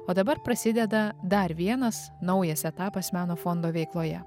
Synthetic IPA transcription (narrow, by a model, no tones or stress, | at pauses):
oːd̪ɐbɐɾpɾɐsʲɪd̪ʲɛd̪ɐd̪ɐɾʋʲiɛnɐs | nɐʊjɛsɛt̪ɑːpɐsmʲæːnoːfond̪oːʋʲɛɪklˠoːjɛ